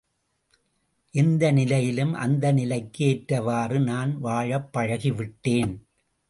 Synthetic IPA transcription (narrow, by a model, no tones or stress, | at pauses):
ʔɪnd̪ɐnɪlɐjɪlɯmʔɐ̰nd̪ɐnɪlɐɪkːeːʈɾɐʋaːrɯnaːnʋaːɻɐpːɐɻɐɣiʋɪʈːeːn